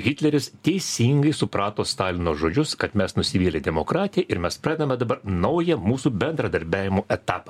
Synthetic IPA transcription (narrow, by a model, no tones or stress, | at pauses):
ɣʲɪt̪ʲlʲɛɾʲɪst̪ʲɛɪsʲiːŋɡɐɪsʊpɾɑːt̪oːst̪ɑːlʲɪnoːʒoːd͡ʒʲʊskɐt̪mʲɛsnʊsʲɪʋʲiːlʲed̪ʲɛmoːkɾɑːt̪ʲɪjɛʔɪɾmʲɛspɾɑːd̪ʲɛdnɐmʲɛd̪ɐbɐɾnɐʊjɛmuːsuːbʲɛnd̪ɾɐd̪ɐɾʲbʲæːʋʲɪmoːʔɛt̪ɑːpɐ